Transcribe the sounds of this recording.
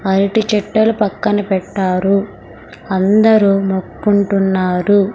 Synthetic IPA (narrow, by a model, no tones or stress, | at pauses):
ɐɾiʈit͡ʃɛʈːɐlupɐkːɐnɐpɛʈːaːɾu | ɐnd̪ɐɾumokːuɳʈunːaːɾu